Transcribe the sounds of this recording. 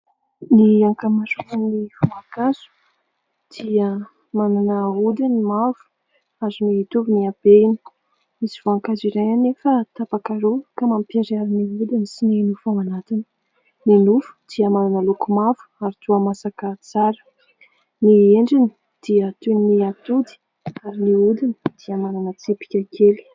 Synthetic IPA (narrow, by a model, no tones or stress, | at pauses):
niaŋkamasuunifumakasu̥ | d̪̥iə | mananəud̪inimavu̥ | azuniit̪uviniab̥eini̥ | misi̥v̥oaŋkaziɾajanefət̪apakaɾokamampiaɾiaɾiniud̪inisininufawanat̪inə | ninufu̥d̪̥iəmananəlukumavu̥aɾit̪uəmasakət͡saɾə̥ | nieɳɖ͡ʐini | d̪̥iət̪unniat̪ud̪i̥ | aɾiniud̪ini̥d̪̥iəmananət͡sepi̥kʲakʰeli̥